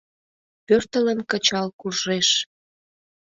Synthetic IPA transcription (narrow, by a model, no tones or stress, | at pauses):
pørt̪ələnkət͡ɕɑlkurʒeʃ